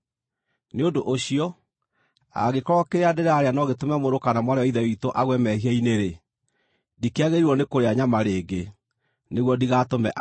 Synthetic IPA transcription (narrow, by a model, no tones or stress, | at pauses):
neodoʔoɕiɔ | a̰ɣekɔɾɔkeɾeadeɾaːɾeanɔɣetomɛmoɾokanamwaɾeɔiðɛitoʔaɣwɛmɛhiɛineɾe | dikeaɣeɾiɾwɔnekoɾeaɲamaɾeːɡe | neɣwɔdiɣaːtomɛʔ